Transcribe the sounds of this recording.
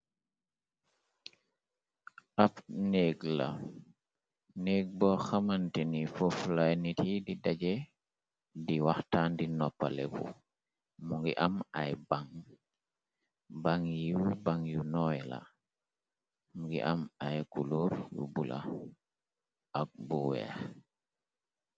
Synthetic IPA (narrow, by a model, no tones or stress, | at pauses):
afneɡla̰ | neɡ̚bɔxamantɛnifɔflajnitididad͡ʒɛ | diwaxtandinɔpːa̰lɛ̰ɡṵ | muŋɡiʔamajbaŋ | baŋjubaŋjunɔjla̰ | muŋɡḭʔamajkuluɾjṵbula̰ | ak̚buwɛ̰x